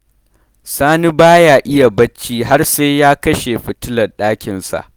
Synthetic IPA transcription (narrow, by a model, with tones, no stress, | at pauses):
saː˦ni˦baː˦jaː˨ʔɪ˦ja˨bɐ˦t͡ʃːiː˦ɦa˦rse˦jjaː˦kɐ˦ʃe˨ɸɪ˨tɪ˦lɐ˨rɗaː˦kʲɪ˨nsa̰˨ʔ